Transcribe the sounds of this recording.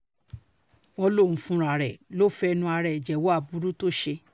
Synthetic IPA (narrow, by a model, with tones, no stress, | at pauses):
ɔ˧lo˦˨ũ˨˦fũ˦ɾa˨ɾɛ˨lo˦˨fɛ˧nũ˧a˧ɾɛ˨d͡ʒɛ˨wo˦a˦˨bu˦ɾu˦to˦˨ʃe˧